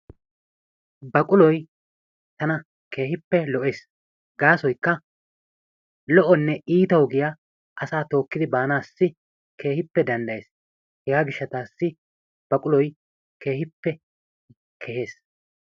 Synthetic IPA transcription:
bɐkʼʊlɔj | t̪ɐnɐ | ke̞ːhɪpːɛlɔʔeːs | ɡaːsɔjkːɐ | lɔʔɔnːɛʔiːt̪ɐwʊɡɪja | ʔɐsaːt̪o̞ːkːɪd̪ɪbaːnaːsːɪ | kʰe̞ːhɪpːɛd̪ɐnd̪ɐjeːs | hɛɡaːɡɪʃːɐt̪aːsːɪ | b̥ɐkʼʊlɔj | ke̞ːhɪpːɛ | kʰɛhe̞ːs

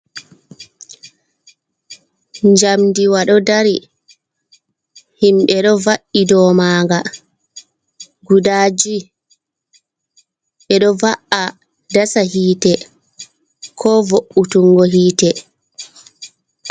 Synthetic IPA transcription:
ɲd͡ʒamdiwaɗɔdaɾi | himɓɛɗɔvaʔidɔːmaːŋɡa | ɡudaːd͡ʒi | ɓɛɗɔvaʔa | dasahiːtɛ | kʰɔvoʔːutuŋɡɔɦiːtɛ

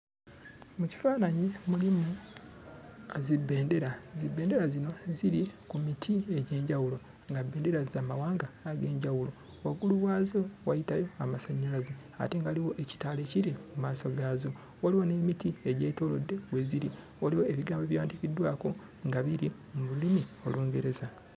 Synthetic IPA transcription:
muci̥faːnaɲimulimu | azibːe̞ːnde̞ɾazibːeːnde̞ɾazino̞ziɾikumitʰie̞ɟe̞ːɲɟawulo̞ | ŋɡabːe̞ːnde̞ɾazaːmawaːŋɡaːɡe̞ːɲɟawulo̞ | waɡuluwaːzo̞wajitajo̞amasaɲːalazea̰teŋɡaliwoʔeci̥taːle̞ciɾimumaːso̞ɡaːzo̞ | waliwo̞ne̞ːmitieɟeto̞ːlo̞dːe̞we̞ziɾi | waliwo̞eβiɡaːmbeβjaːndikidːwaːko̞ | ŋɡaβiɾi | mululimio̞̰luːŋɡe̞ɾe̞za

